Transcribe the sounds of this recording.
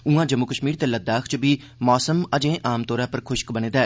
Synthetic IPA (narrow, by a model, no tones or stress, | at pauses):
ũãːd͡ʒəmːukəʃmiːɾt̪eːləd̪aːkʰt͡ʃbiː | mɔːsəməd͡ʒẽːʔaːmt̪oːɾãːpəɾkʰʊʃkbəñẽːd̪aː